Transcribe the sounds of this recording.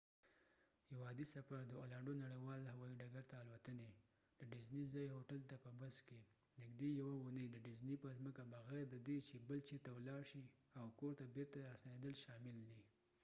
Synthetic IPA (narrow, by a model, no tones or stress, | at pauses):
hɪwɑd̪isafaɾd̪əolaɳɖonaɽəjwɑlhawɑiɖaɡaɾt̪aːlwat̪əne | d̪̥əɖɪznizɑjɦoʈalt̪apəbaske | nɪɡd̪ejawaʊnəjd̪əɖɪznipəzməkabaɣɛɾd̪əd̪et͡ʃebəlt͡ʃit̪awlɑɾʃi | awkoɾt̪abeɾt̪aɾasaned̪əlʃɑmɪld̪i